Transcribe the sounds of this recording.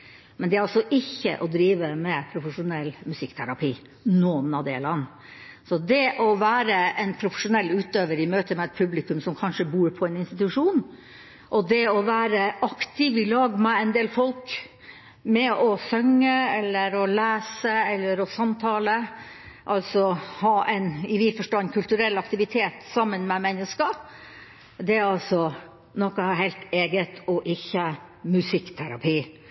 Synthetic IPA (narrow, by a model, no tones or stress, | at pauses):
mɛnd̪ɛæɾɑlsɔʔɪçːə̰ʔɔd̪ɾiːʋəmɛpʰɾʊfəʂʊnɛlmʉsɪkːt̪ʰæɾɑpʰiː | nɔːnɑʋd̪ɛ̰lɑnː | sɔd̪ɛʔɔʋæːɾəʔɛnpʰɾʊfəʂʊnɛlːʉːt̪øːʋəɾɪmøːt̪əmɛɛt̪̚pʰʉblɪkʉmsɔmkʰɑnʂəbuːɾpʰɔɛnɪnst̪ɪt̪ʉʂuːn | ʔɔd̪ɛɔʋæːɾəɑkt̪ɪʋɪlɑːɡmɛɛnd̪eːlfɔlk | mɛʔɔsœŋːəɛlːəɾɔlæːsəɛlːəɾɔsɑmt̪ʰɑːlə | ʔɑlsɔhɑːʔɛɪnɪʋɪfɔʂʈoːɛnkʰʉlt̪ʉɾɛlːɑkt̪ɪʋɪt̪ʰeːt̪sɑmːənmɛmɛnːəskə | d̪ɛɾɑlsɔ | nɔkːəɦɛɪt̪eːɡət̪ʰɔʔɪçːə | mʉsɪkt̪ʰæɾɑ̰pʰiː